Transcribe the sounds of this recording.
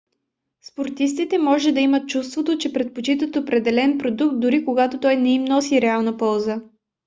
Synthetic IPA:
spoɾt̪is̬t̪it̪ɛmɔʒɛd̪ɐimət̪̚t͡ʃust̪vot̪ot͡ʃɛpɾɛt̪̚pot͡ʃit̪ət̪opɾɛd̪ɛlɛnpɾod̪uk̚t̪̚d̪uɾikoɡat̪ot̪ɔjnɛimnɔsiɾɛalˠnəpɔlˠzə

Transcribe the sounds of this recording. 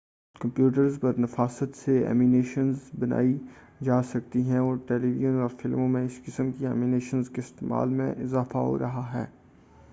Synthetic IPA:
kɐ̃mpjuːʈ̬əɾzpɐɾnɐfaːsət̪seɛ̰ːmineːʃənzbɐna̰ːi | d͡ʒaːsɐk̚t̪iɦɛ̃ɔːɾʈeːliʋijənɔːɾfɪlmõmẽɪskɪsəmkiɛːmineːʃənzkeɪst̪eːma̰ːlmḛ̃ʔɪzaːfaɦo̰ɾɐɦaɦɛ̰ː

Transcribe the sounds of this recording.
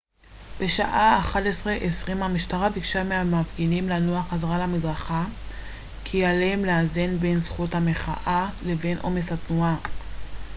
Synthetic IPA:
b̥e̞ʃaʔaːχadesʁeʔesʁimamiʃtaʁavikʃameamavɡinimlanoaχazaʁalamidʁaχa | kʰialeemleazenbensχuthame̞χa̰ʔale̞ve̞nʔo̞̰me̞shatnua

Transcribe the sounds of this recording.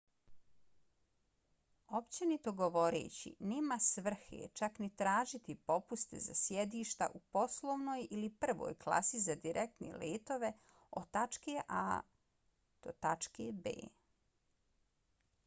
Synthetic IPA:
o̞pt͡ɕenit̪o̞ɡoʋo̞ɾḛːt͡ɕḭneːmasʋr̩xḛt͡ʃaknit̪ɾaːʒit̪ipo̞pust̪e̞̰za̰sjed̪iːʃt̪a̰ʔupo̞slˠoʋnoːjilipr̩ʋo̰ːjklˠa̰sizad̪iɾʔek̚t̪nḛleːt̪o̞ʋe̞ | o̞̰t̪at͡ʃkeʔa̰ː | d̪̥o̰t̪at͡ʃkebḛː

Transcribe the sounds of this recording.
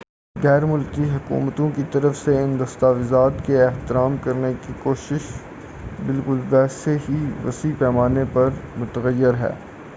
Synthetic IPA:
ɣɛːɾmʊlkiɦɐkṵːmət̪õkit̪ɐɾəfseɪ̃nd̪ɐst̪aːʋɪzaːt̪keɛht̪ɪɾaːmkɐɾnekikoːʃɪʃ | bɪlkʊlʋɛːseɦiʋɐ̰sipɛːmaːnepɐɾmʊt̪əɣəjːɪɾɦɛ̰ː

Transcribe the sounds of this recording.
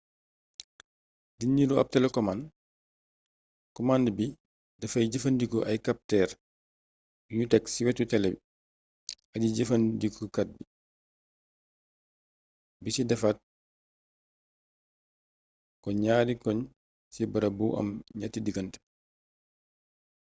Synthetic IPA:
dinːiɾuɐ̰p̚tɛlɛkɔman | kɔmandbi | dɐfɐjɟɐfɐndikɔʔɐjkap̚tɛɾ | jutɛksiwɛtutɛlɛbi | ɐdiɟɐfɐndikɔkat̚bi | bisidɐfat̚ | kɔɲaːdikɔɲ | sibɐɾɐbuʔɐ̰mɲatːidiɡɐntɛ̥

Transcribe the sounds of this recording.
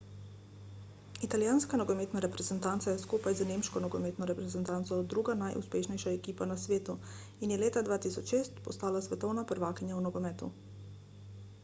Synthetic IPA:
it̪aljaːnskanɔɡɔmeːt̪naɾɛpɾɛzɛnt̪ant̪sajɛskuːpajzaneːmʃkɔnɔɡɔmeːt̪nɔɾɛpɾɛzɛnt̪ant̪sɔd̪ːɾuːɡanajʔṵspeːʃnɛjʃaɛkiːpanasʋeːt̪u | injɛleːt̪ad̪ʋaːt̪isɔt͡ʃʃeːst̪pɔst̪aːlasʋɛt̪ɔwnapəɾʋaːkinjawnɔɡɔmɛːt̪ṵ

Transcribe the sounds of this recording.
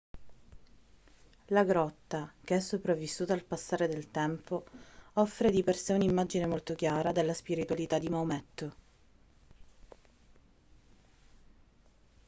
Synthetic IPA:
laɡɾɔt̪ːak̟eɛsːopɾavːisːuːt̪aːlpasːaːɾed̪elt̪ɛmpoɔfːɾed̪iperseunimːad͡ʒinemolt̪ok̟jaːɾad̪elːaspiɾit̪walit̪ad̪ːimaumɛt̪ːo

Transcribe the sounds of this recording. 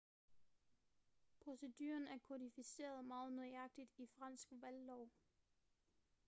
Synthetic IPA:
pʰʁo̝se̝d̥yːɐnæɐkʰo̝dˠifise̝̰ːɐð̞ˠmɑ̈ːð̩ˠnɔɑ̈ɡ̥̚d̥id̥ifʁɑ̈n̰sɡ̥ʋælːɒʊ̰

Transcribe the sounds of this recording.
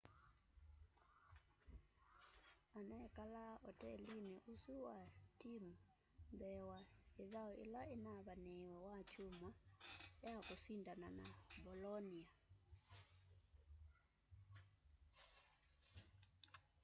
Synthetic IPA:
anɛkalaɔtɛlinɛʔusuwatimu | mbɛwaiðaɔʔḭlainaβanɛwɔwat͡ʃumajakusindananabɔlɔnia

